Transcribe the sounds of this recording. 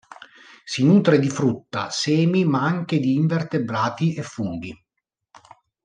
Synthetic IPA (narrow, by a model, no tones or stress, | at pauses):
sinuːt̪ɾed̪ifɾut̪ːa̰sɛːmimaaŋk̟ed̪iːɱvert̪ebɾaːt̪iʔɛfːuŋɡi